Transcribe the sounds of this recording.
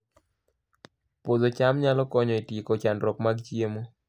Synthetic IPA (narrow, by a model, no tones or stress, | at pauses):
pozot͡ʃamɲalɔkɔɲɔitikɔt͡ʃandɾɔkmaɡt͡ʃiemo